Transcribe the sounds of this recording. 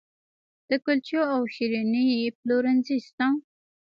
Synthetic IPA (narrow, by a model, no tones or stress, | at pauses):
d̪̥əkʊlt͡ʃoawʃiɾinijploɾanzist̪ɑ̃